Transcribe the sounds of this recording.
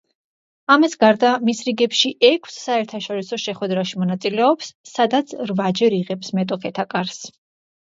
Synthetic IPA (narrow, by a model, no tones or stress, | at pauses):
amisɡaɾd̪amisɾiɡɛpʃiʔɛkʰsːaɛɾt̪ʰaʃɔɾisɔʃɛχwɛd̪ɾaʃimɔnat̪sʼilɛɔpsːad̪at̪sʰɾvad͡ʒɛɾiʁɛpsmɛt̪ʼɔkʰɛt̪ʰakʼaɾs